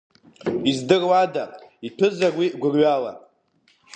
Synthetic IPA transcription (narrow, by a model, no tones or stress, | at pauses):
izdɨrwadaipʰɨzarwiɡʷʊrɥala̰